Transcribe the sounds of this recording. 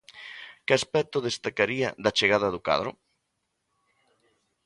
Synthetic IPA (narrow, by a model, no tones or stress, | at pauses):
kɪaspɛt̪ʊðest̪akaɾiɐðat͡ʃeɣaðɐðʊka̰ðɾʊ̰